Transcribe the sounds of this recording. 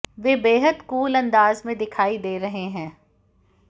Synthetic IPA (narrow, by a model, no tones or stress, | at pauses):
ʋeːbeːɦəd̪kuːlɐ̃nd̪aːzmẽd̪ɪkʰaːid̪eːɾɐɦeɦɛ̃ː